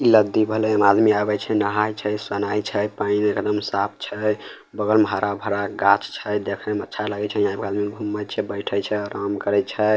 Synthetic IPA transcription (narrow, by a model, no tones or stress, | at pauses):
iləd̪ːibʱəlɛmad̪miabɛt͡ʃʰɛnəɦajt͡ʃʰɛsənajt͡ʃʰɛpainekd̪əmsap̚ʰt͡ʃʰɛ | bəɡəlməɦaɾabʱəɾaɡat͡ʃt͡ʃʰɛd̪ekʰɛmətːʃʰalaɡɛt͡ʃʰɛjãbkad̪miɡʱumːət͡ʃʰɛbəɪʈʰət͡ʃʰɛɾamkəɾɛt͡ʃʰɛ